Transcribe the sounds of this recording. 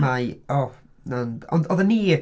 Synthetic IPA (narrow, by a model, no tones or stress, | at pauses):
majɔ | nanɔ̰ndɔðəni